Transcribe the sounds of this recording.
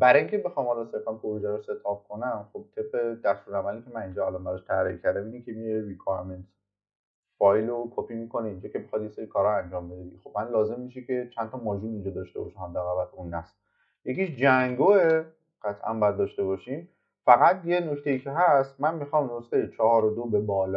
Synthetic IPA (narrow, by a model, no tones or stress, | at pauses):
bæɾjiŋcʰebexɒmhɒlɒse̞ɾfænpʰoɾud͡ʒæɾose̞t̪ʰɒːb̥̚kʰo̞næmχob̥̚t̪ʰeb̚ʁed̪æst̪uɾæmælicʰʲe̞mænind͡ʒɒælɒnbæɾɒʃt̪ʰæɾiicʰæɾd̪æmiikʲʰemiɾeɾikʰɔɾment̪ | fɒjlokʰopimiko̞neind͡ʒɒkʰʲebexɒd̪jeseɾikʰɒɾɒænd͡ʒɒːmbe̞d̪ed̪ixob̥mænlɒːze̞mːiʃikʲʰe̞t͡ʃʰænt̪ʰɒmɒːd͡ʒuːnind͡ʒɒd̪ɒːʃt̪e̞bɒ̰ʃæmhæd̪ːæɣæbælunːæs | je̞kiʃd͡ʒæŋɡoe | ɢ̥æt̪ʰʔæ̰nbɒjæd̪̚ːɒʃt̪e̞βɒːʃiːm | fæɣæt̪jenokt̪ʰejiːcʰeɦæst̪mænmixɒːmnosejet͡ʃʰɒhɒːɾod̪obe̞bɒːlː